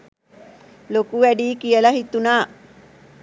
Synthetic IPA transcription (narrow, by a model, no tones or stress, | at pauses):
lokuʋæɖiːkijəlɐɦit̪unaː